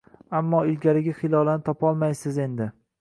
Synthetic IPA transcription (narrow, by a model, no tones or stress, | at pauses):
amːɒɪlɡʲaɾɪɡʲaχɪlˠɒlˠanɪt̪ʰɒpɒlˠmajsɪze̞nd̪ɪ